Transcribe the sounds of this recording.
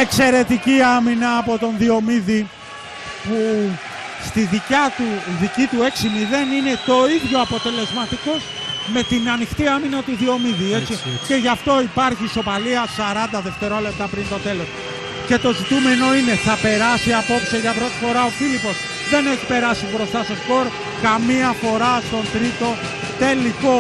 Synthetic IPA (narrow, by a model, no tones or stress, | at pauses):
ekse̞ɾe̞t̪iciɐminɐːpo̞t̪o̞nðio̞miði | pu | st̪iðicɐt̪uðicit̪ue̞ksimiðe̞nine̞t̪o̞iðʝo̞ɐpo̞t̪e̞le̞zmɐt̪iko̞z | me̞t̪inɐnixt̪iɐminɐt̪uðio̞miðie̞t͡sice̞ʝɐft̪o̞ipɐɾçiso̞pɐliɐsɐɾɐnd̪ɐðe̞ft̪e̞ɾo̞le̞p̚t̪ɐpɾint̪o̞t̪e̞lo̞s | ce̞t̪o̞zit̪ume̞no̞ine̞θɐpe̞ɾɐsiɐpo̞psi̥eʝɐpɾo̞t̪i̥fo̞ɾɐo̞filipo̞s | ðe̞neçipe̞ɾɐsibɾo̞st̪ɐso̞sko̞ɾ | kɐmiɐfo̞ɾɐst̪o̞nt̪ɾit̪o̞ | t̪e̞liko̞